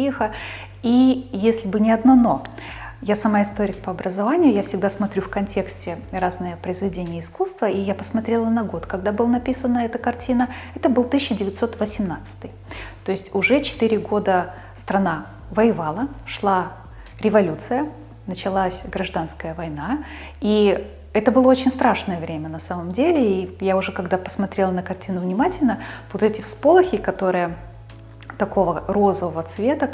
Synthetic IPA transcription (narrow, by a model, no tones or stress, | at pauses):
ixə | ijesʲlʲɪbɨnʲɪɐd̪nɐno̞ | jasɐmaɪst̪oɾʲɪkpəɐbɾəzɐvanʲɪjʊjafsʲɪɡ̚d̪asmɐt̪ɾʲufkɐnʲtʲe̞ksʲtʲɪraznɨjəpɾəɪzvʲɪdʲenʲɪjəɪskust̪vəijapəsmɐt̪ɾʲelˠənɐɡo̞t̪kɐɡ̚d̪abɨlˠənɐpʲisənːəɛt̪əkɐrtʲinəɛt̪əbɨlˠt̪ɨɕʲsʲɕːɪdʲɪvʲɪt̪so̞t̪vəsʲɪmnat̪sɨ̥t̪ɨjt̪o̞ɪsʲtʲʊʐɛt͡ɕɪ̥t̪ɨɾʲɪɡo̞d̪ə | st̪ɾɐna | vəjɪvalˠəʂlˠa | ɾʲɪvɐlʲut̪sɨjə | nət͡ɕɪlˠasʲɡɾɐʐd̪anskəjəvɐjna | i | ɛt̪əbɨlˠəo̞t͡ɕɪnʲst̪ɾaʂnəjəvɾʲemʲənɐsaməmdʲelʲɪijaʊʐɛkɐɡd̪apə̥smɐt̪ɾʲelˠənəkɐrtʲinʊvnʲɪmatʲɪlʲnəvot̪ɛtʲɪfspolˠəxʲɪkɐt̪o̞ɾɨjə | t̪ɐko̞vəro̞zəvəvət̪svʲet̪ə